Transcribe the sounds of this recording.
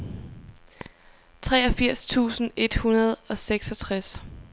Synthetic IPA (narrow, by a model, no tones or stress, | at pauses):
t͡sʰʁɛːɒ̽fiɐ̰st͡sʰṵːsn̩e̝d̥hunɐð̞ˠɒ̽seɡ̥sɒ̽t͡sʰʁas